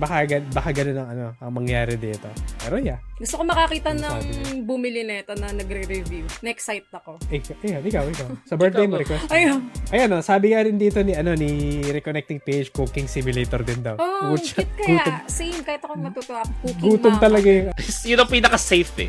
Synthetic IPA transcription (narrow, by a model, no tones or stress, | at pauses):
bɐkaɡɐbɐkaɡɐnonɐŋɐno̞ʔɐŋmɐŋjaːɾɛd̪iːt̪o̞̰pɛːɾojaɡʊst̪okomɐkɐkiːt̪ɐnɐŋbʊmɪlɪnɐɛt̪onɐnɐɡɾɛɾɛvjunɐɛksajt̪̚ɐko̞ʔɪkaʔɪkanʔɪkawʔɪkawsɐbɛɹt̪̚d̪ejnmɐɾɛkwɛsɐjonʔɐjanosaːbɪŋaɾɪnd̪iːt̪o̞niʔɐno̞niɾɛkonɛk̚t̪ɪŋpejd͡ʒkuːkɪŋsɪmʊleːt̪oɾd̪ɪnd̪ɐwoɡut͡ʃɐt̪kɐɡuːaosejmkaːhɪt̪ɐkomɐt̪ut̪oʔakukɡuːt̪omt̪ɐlɐɡajsjʊnɐpinɐkɐsɛjft̪ɛ̰